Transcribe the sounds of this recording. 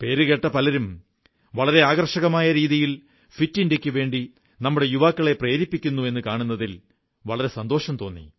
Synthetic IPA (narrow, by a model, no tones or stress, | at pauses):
pe̞ːɾɨɣeʈːɐpɐlɐɾum | ʋɐɭɐɾe̞aːɣɐrʂɐɣɐmaːjɐɾiːðijil | fitːindekʲːuʋe̞ːɳɖi | nɐmːuɽe̞juʋaːkːɐɭe̞preːɾipːikʲːunːue̞nːɨkaːɳunːɐðil | ʋɐɭɐɾe̞sɐnd̪o̞ːʂɐmt̪o̞ːnːḭ